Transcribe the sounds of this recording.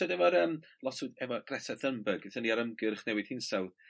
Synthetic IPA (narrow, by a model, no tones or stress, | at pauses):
ɔdɛvɔɾəːmlˠɔsudɛvɔɡ̥rɛsaðəmbəɡɪθəniaɾəmɡɨrχnɛwɨð̥hɪnsɛwð